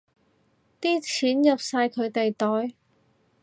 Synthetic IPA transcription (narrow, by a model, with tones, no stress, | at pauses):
t̪iː˥t͡sʰiː˨˥njɐ˨p̚saː˧jkʰɵ˨˧ɥt̪e˨jt̪ɔː˨˥j